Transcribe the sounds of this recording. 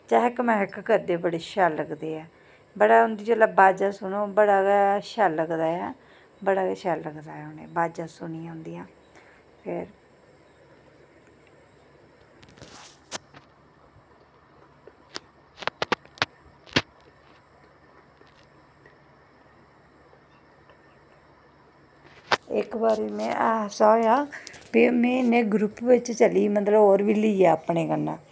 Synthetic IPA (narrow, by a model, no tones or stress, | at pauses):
t͡ʃaːɦɪkmɛ̃ːɦɪkkəɾd̪eːbəɽeːʃaːlːəɡd̪eːɛː | bəɽaːɦʊnd̪iːd͡ʒəlaːbaːd͡ʒãːsʊnoːbəɽaːɡɛːʃɛːlːəɡd̪aːjɛː | bəɽaːɡɛːʃaːlːəɡd̪aːɛːʊnḛːbaːd͡ʒãːsʊniːãːʊnd̪ijãː | pʰeːɾ | ɪkbaːɾiːmɛ̰̃ːʔaːsaːjaːbiːmɛ̃ːɪnẽːɡɾupʋɪt͡ʃt͡ʃəliːmət̪ləboːɾʋiːliiaːəpɳeːɡənːã̰ː